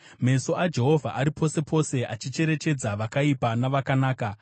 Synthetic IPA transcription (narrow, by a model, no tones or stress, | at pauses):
me̞so̞ʔad͡ʒe̞ɦo̞vʱa̰ʔaɾipʰo̞se̞pʰo̞se̞ʔat͡ʃit͡ʃe̞ɾe̞t͡ʃe̞d͡zaʋakaipanaʋakanaːka